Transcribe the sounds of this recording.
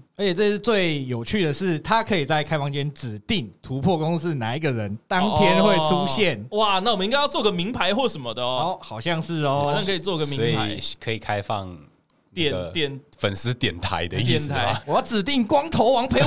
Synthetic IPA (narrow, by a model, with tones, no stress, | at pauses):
ə˧˥t͡ɕʰɛ˨˩t͡sɤ˥˧ʂɻ̩˥˧t͡swe˥˩ɪjo˨˩ʊt͡ɕʰy˥˩d̪ə˩ʂɻ̩˥˩t̪ʰa˦˥kʰɤ˧˥i˨˩t͡sa˥˩ɪkʰa˥ɪfɑ˥˧ŋt͡ɕɛ˥˦nʈ͡ʂɻ̩˨˩t̪i˥˩ŋt̪ʰu˧˦˥pʰwɔ˥˧kʊ˥ŋs̩˥na̰˨˩i˦˥ɡə˨ɻə˧˦nt̪ɑ˥ŋtʰjɛ˦˥nxwe˥˩ɪʈ͡ʂʰu˦ɕjɛ˥˨nwa˥˨˩na˥˩wɔ˨mə˨˧ĩ˥ŋa˥jʊt͡sɔ˥˨˩ɡə˨˩mi˧˥ŋpʰa˧˥ɪxwɔ˥˩ʂə˨˩nmə˦d̪ə˨˧˦ɔ˥˩xɑ˨˩ʊɕjɑ˥˧ŋʂɻ̩˥˨ɔ˦˨ɑ˥˧ŋkʰə˧i˨˩t͡swɔ˥˨i˧ɡə˨mi˧˥˧i˧˨kʰɤ˧˦i˨˩kʰa˦ɪfɑ̰˥˨ŋ | t̪ɛ˨ɡə˧t̪jɛ˥˩nfə˨˩ns̩˥˦t̪jɛ˨˩nt̪ʰa̰˧˦ɪd̪ə˦i˧ɛ˨nʰa˧˦wɔ˨˩jɑ˥˩ʊt͡sɻ̩˨˩t̪i˥˩ŋkwɑ˥ŋt̪ʰo˧˥ʊwɑ˧˥ŋpʰe˧˥ɪ